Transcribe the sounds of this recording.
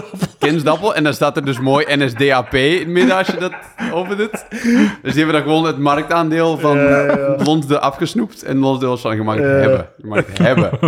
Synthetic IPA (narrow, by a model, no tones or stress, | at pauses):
kɪnsdɔpəlˠɛndɑnstaːtərdøs̬moːjʔɛnɛsdeːaːpeːɪnmɪdɔsjədɔt | oːvərdətdøsdiɛbədɔɣəʋoːnətmark̚taːndɪːəlˠvɑnlɔnzdəʔafxəsnuptʰɛ̰nlɔnsdeːlˠsfɔnjəmaxəhɛbə̰jəmakətɦɛbə